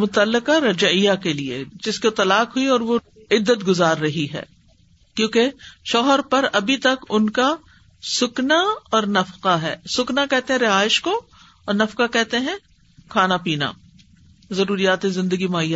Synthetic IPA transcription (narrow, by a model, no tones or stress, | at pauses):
mʊt̪əlːɪqaɾɐd͡ʒɪjakeliḛd͡ʒɪskot̪ɐlaːqɦʊiɔːɾʋo | ɪd̪ːət̪ɡʊzaːɾːɐɦiɦɛ̰ː | kjõːkeʃɔːɦəɾpɐɾɐbʱit̪ɐkʊnka | sʊknaɔːɾnɐfqaɦɛːsʊknakɛɦt̪eɦɛ̃ɾɪɦaːɪʃko | ɔːɾnɐfqakɛɦt̪eɦɛ̃ | kʰaːnapiːna̰ | zɐɾuːɾijaːt̪ẽzɪ̃nd̪əɡimaːjːa